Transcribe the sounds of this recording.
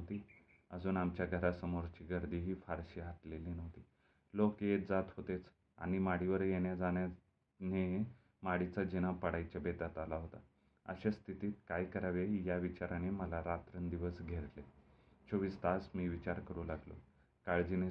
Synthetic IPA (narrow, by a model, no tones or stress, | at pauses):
t̪iː | əd͡zuːnamt͡ɕjaɡʱəɾasəmoɾt͡ɕiːɡəɾd̪iːɦiːfaɾɕiɦaʈlelinəʋt̪iː | lokjed͡zat̪ɦot̪et͡s | a̰ɽ̃imaɽiʋəɾjeɳjad͡zanja | ne | maɽit͡sad͡ʑinapəɽajt͡ɕabet̪at̪alaɦot̪a | ə̰ɕest̪ʰit̪iːt̪̚kajkəɾaʋejaʋit͡ɕaɾaneməlaɾat̪ɾənd̪iʋəsɡʱeɾle | t͡ɕoʋist̪asmiːʋit͡ɕaɾkəɾũːlaɡlo̰ | kaɭd͡ʑine